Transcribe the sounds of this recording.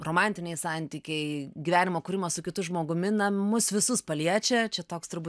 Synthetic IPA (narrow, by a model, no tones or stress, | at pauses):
roːmɑnʲt̪ʲɪnʲɛɪsɑnʲt̪ʲiːkʲɛɪɡʲiʋʲæːnʲɪmoːkʊːɾʲɪmɐssʊkʲɪt̪ʊʒmoːɡʊmʲɪnɐmʊsʋʲɪsʊspɐlʲiɛt͡ʃʲɛt͡ʃʲɛt̪oːkst̪ʊɾbuː